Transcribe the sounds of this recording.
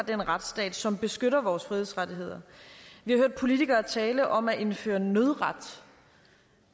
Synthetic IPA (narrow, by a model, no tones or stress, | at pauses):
d̥enʁad̥sd̥ɛ̰ːd̥sɒ̽mb̥e̝sɡ̥øɾɐʋɒːsfʁiðˠð̩ˠsʁɑdiɦe̝ð̰ˠɐʋihɑ̈ɦøɐ̰d̥̚pʰo̝lit͡sʰiɡ̥ɐːt͡sʰɛːləʔɒ̽mæʔe̝nfø̰ːɐnøðˠʁɑd̥